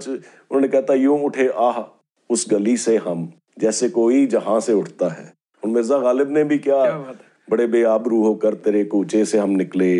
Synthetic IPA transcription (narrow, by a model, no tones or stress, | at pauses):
t͡ʃ | ʊnɦõːnekɛɦt̪ajũːʊʈʰeʔaːɦ | ʊsɡɐliseɦɐm | d͡ʒɛːsekoːid͡ʒɐɦãseʊʈʰt̪aɦɛ̰ː | ɔːɾmɪɾzaɣaːlɪbnebʱikjaː | bɐɽebeːaːbɾuːɦokɐɾt̪eɾeːkoʊt͡ʃeseɦɐmnɪkleː